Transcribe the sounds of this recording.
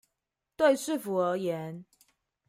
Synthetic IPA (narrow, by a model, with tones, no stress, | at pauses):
t̪we˥˧ɪʂɻ̩˥˨fu˨ə˧˥jɛ˨˦n